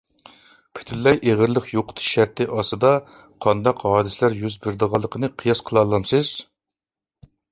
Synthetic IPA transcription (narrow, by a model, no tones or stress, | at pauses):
pʰy̥t̪ʰyllɛjʔeʁəɾlˠəχjoqʊ̥t̪ʰu̥ʃæɾt̪ʰɪʔɑsɨd̪ɑ | qʰɑnd̪ɑqɦɑːd̪ɨsɪlæɾjyzbɪɾd̪əʁɑlˠːəqʰənɨqʰijɑsqʰəlˠɑlˠːɑmsɨz̥